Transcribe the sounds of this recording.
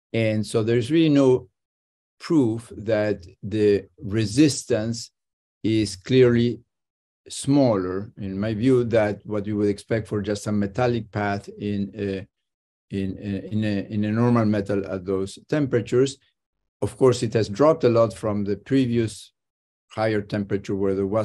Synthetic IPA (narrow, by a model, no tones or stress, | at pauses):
ɛ̃nsoʊðəɹɪzɹilinoʊ | pʰɹ̥ufðæt̪ðɨɹɪzɪst̪ə̃ns | ɪzkʰlɪɹli | smɔlə˞ɪ̃nmajvjuðæt̪̚wʌt̚wiwʊdɛkspɛk̚tfɔɹd͡ʒastəmɛt̪ʰælɪk̚pʰæθɪ̃n | ɪ̃nɪ̃nɪ̃nɨnɔɹmalmɛt̪alə̰vðoʊz̥tʰɛ̃mpɹət͡ʃuɹs | ɔv̥kʰɔɹsɪt̪hæzdɹɔp̚təlɔtfɹɔ̃mðɨpʰɹivius | hajəɹt̪ʰɛ̃mpɹət͡ʃəɹwɛɹðəwa